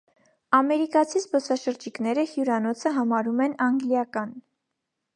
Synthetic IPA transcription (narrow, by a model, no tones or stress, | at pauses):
ɑmɛɾikɑt͡sʰizbɔsɑʃəɾd͡ʒiknɛɾəhjuɾɑnɔt͡sʰəɦɑmɑɾumɛnɑŋɡlijɑkɑn